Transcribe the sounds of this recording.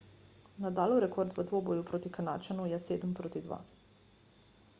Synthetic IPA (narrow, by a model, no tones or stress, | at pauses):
nad̪aːloɾekoɾd̪ʋəd̪ʋoːbojupɾot̪ikanaːt͡ʃanujɛseːd̪mpɾot̪id̪ʋa̰ː